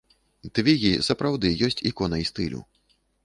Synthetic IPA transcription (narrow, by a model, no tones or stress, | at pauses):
t̪vʲiɣʲḭsɐpɾawd̪ɨjɔsʲt͡sʲikɔnɐist̪ɨlʲṵ